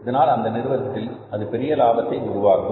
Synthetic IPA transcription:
ɐðɐnaːlɐnd̪ɐnɪɾɯʋɐðɐt̪ːɪlɐðɯpɛɾɪjɐlaːbɐt̪ːɐɪʊɾʊʋaːɣɯ

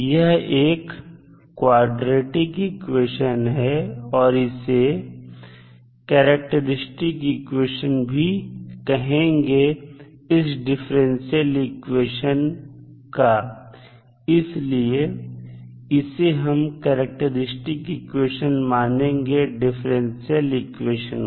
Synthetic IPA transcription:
jɐɦeːkː | waːɖɾeːʈɪkɪkweːʃənɦɛɔːɾɪse | kɛːɾək̚ʈəɾɪsʈɪkɪkweːʃənbʱikɐɦẽːŋɡeɪsɖɪfʰɾɛ̃nsjəlɪkweːʃənka | ɪslie | ɪseɦɐmkɛːɾək̚ʈəɾɪsʈɪkɪkweːʃənmaːnẽːŋɡeɖɪfʰɾẽnsiəlɪkweːʃən

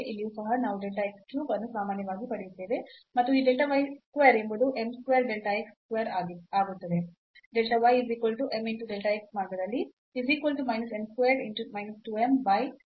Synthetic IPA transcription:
ʔilijuːsɐɦɐnaːʋuɖelʈɐekskjuːbɐnːusaːmaːnjɐʋaːɡipɐɽejut̪ːeːʋemɐt̪ːuiːɖelʈɐʋɐjskʋeːɐɾembɐd̪uʔe̞mskʋeːɾɖelʈɐekskʋeːɾaaːɡut̪ːɐd̪e̞ | ɖelʈɐʋɐjiziːkʋɐlʈuʔemiɳʈuɖelʈɐeksmaːɾɡɐd̪ɐlːi | iziːkʋɐlʈumɐjnɐsemskʋeːɖiɳʈumɐjnɐsʈuembɐj

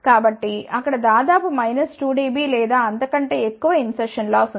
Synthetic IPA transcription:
kaːbɐʈːiɐkːɐɽɐd̪aːd̪aːpumɐjnɐsʈuːɖiːbiːlɛːd̪aːɐnt̪ɐkɐɳʈe̞ːekːuʋɐinsɛɾʂɐnlaːsu

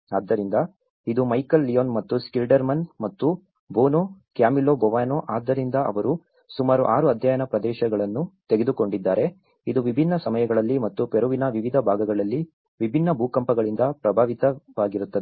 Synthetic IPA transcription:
aːd̪ːɐɾind̪ɐ | id̪umɐjkɐlːijoːnmɐt̪ːuskilɖɐɾmɐnmɐt̪ːu | boːnokjaːmiloːbɔʋaːnoʔaːd̪ːɐɾind̪ɐʔɐ̰ʋɐɾu | sumaːɾuʔaːɾuɐd̪ʱjaːjɐnɐpɾɐd̪ɛːʃɐɡɐɭɐnːut̪eɡe̞d̪uko̞ɳɖid̪ːaːɾe̞ | id̪uʋibʱinːɐsɐmɐjɐɡɐɭɐlːimɐt̪ːupeɾuʋinɐʋiʋid̪ʱɐbʱaːɡɐɡɐɭɐlːi | ʋibʱinːɐbʱuːkɐmpɐɡɐɭind̪ɐpɾɐbʱaːʋit̪ɐʋaːɡiɾut̪ːɐd̪e

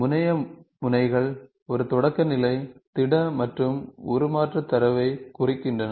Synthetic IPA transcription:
mʊnɐjɐmʊnɐɪɣɐɭ | ɔɾɯt̪ɔɽɐkːɐnɪlɐɪt̪ɪɽɐmɐʈrɯmʊɾɯmaːʈrɐt̪ːɐɾɐʋɐɪkʊrɪkːɪndrɐnɐ

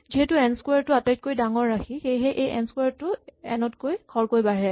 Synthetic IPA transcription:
ziɦɛtuɛnskwaɹtʊatajt̚kojdaŋɔɹːaxʰixejɦɛʔejʔɛ̰nskwaɹtʊɛ̰nɔtkojkʰɔɹkojbaɹɛ

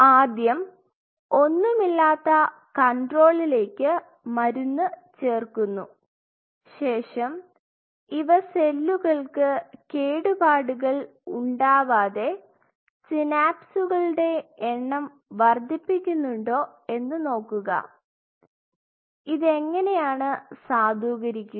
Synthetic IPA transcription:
aːd̪jɐm | o̞nːumilːaːt̪ːɐ | kɐɳɖro̞ːɭile̞ːkʲːɨ | mɐɾunːɨt͡ɕe̞ːrkunːu | ɕe̞ːʂɐm | iʋɐse̞lːuɣɐɭkɨke̞ːɽubaːɽuɣɐɭ | uɳɖaːʋaːðe̞ | sinaːpsuɣɐɭɽe̞ːɳːɐm | ʋɐrd̪ʱːipːikʲːunːuɳɖo̞ː | e̞nːɨno̞ːkːuɣɐ̰ | iðe̞ŋːɐne̞jaːɳɨsaːd̪ʱuːɣɐɾikʲːu

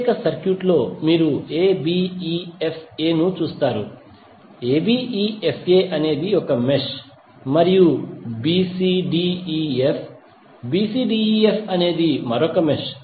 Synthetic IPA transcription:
kɐsɐɾkjuʈlo̞ːmiːɾueːbiiepʰe̞ːnut͡ʃuːst̪aːɾu | eːbiːiːepʰe̞ːʔɐne̞ːd̪iɔkɐmeʂ | mɐɾijubiːsiːɖiːiepʰ | biːsiːɖiːepʰɐne̞ːd̪imɐɾɔkɐmeʂ

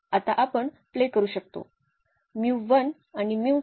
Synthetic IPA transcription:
at̪aʔapəɳ | plekəɾuːɕək̚t̪o̰ | miwʋən | animiw

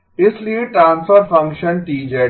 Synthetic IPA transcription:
ɪsliːɖʈɾãːnsfəɾfɐ̃ŋkʃə̃nʈiːd͡ʒe

